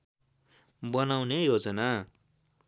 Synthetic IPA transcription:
bʌnawnejɦod͡zʌna

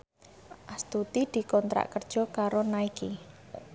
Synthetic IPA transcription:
ʔast̪ut̪id̪̥i̤kɔnt̪ɾa̰ʔkərd̥ʒ̥ɔ̤kaɾonaiki

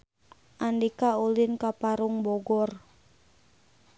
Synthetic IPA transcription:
ʔandikaulɪnkapaɾʊŋbɔɡɔr

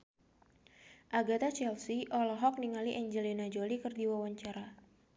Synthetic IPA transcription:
ʔaɡat̪at͡ʃɛlsiʔɔlɔɦɔk̚niŋaliʔɛɲd͡ʒəlinad͡ʒolikɨrdiwawaɲt͡ʃaɾa

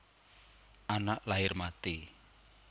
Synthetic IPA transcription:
ʔanaʔlaɪrmat̪i

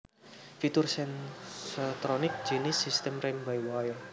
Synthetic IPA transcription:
fit̪ursɛnsət̪ɾɔnɪk̚d͡ʒ̥inisist̪ɛmrɪŋbaiwajɔ

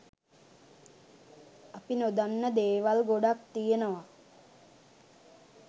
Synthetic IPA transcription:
apinod̪anːəd̪eːʋalɡoɖakt̪ijenəʋa

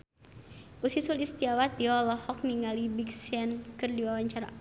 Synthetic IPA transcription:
ʔusisulist̪iawat̪iɔlɔhɔk̚niŋalibiksɛnkɨrdiwawaɲt͡ʃaɾa̰

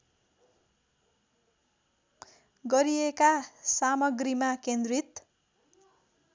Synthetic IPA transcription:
ɡʌɾiekasamʌɡrimakend̪rit̪

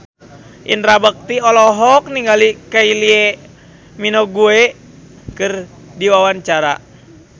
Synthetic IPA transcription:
ʔḭnɾabək̚t̪iɔlɔɦɔk̚niŋɡalikailie | minoɡue | kɨr | diwawaɲt͡ʃaɾa̰

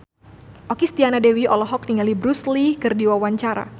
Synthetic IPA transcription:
ʔɔkist̪ianadɛwiɔlɔɦɔk̚niŋalibɾuslikɨrdiwawaɲt͡ʃaɾa̰

